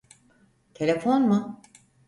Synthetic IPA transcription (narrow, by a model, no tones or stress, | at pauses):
t̪ʰe̞lʲefonmʊ